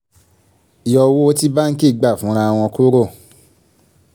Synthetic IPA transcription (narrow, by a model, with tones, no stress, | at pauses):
i˨jɔ˧wo˦o˦ti˦ba˦ŋ̩˦ki˦˨ɡ͡ba˦˨fũ˨˦ɾ̃ã˧a˧w̃ɔ̃˧ko˦ɾo˦˨